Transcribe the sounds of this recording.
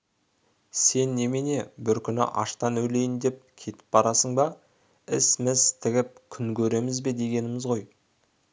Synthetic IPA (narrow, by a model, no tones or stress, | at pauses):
se̞nːe̞mene̞bɪɾkʲʰʏnɪ̰ʔɑ̰ʃt̪ɑnɵjle̞jɪnd̪e̞p̚kʲʰe̞t̪ɪ̥p̚bɑɾɑsəɴbɑ | ɪsɪmɪzt̪ʰɪɡʲɪp̚kʲʰʏŋkʲʰɵɾe̞mɪzbe̞d̪e̞ɡʲe̞nɪmɪzʁo̞j